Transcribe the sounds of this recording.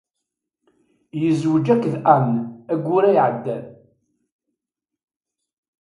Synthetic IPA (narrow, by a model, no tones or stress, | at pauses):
jəzwəd͡ʒækːðqanːæɡʷːʊɾæjʕəd̪ːæl